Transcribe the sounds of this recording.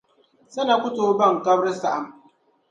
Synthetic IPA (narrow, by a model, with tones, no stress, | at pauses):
sɐ˦na˨kʷʊ˦toː˨bɐ˦˨ŋkɐ˦bɾsa˨ʔa˨m